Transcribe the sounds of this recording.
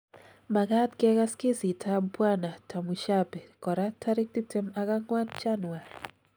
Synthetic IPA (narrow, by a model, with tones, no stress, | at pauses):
ma˨ɡat̪kɛka˦ski˦si˨tʰabpwa˦na˨tʰa˨muʃapɛ˨kɔ˨ɾatʰa˦ɾi˦k̚ti˦tɛmaka˦ŋwa˦nd͡ʒanwar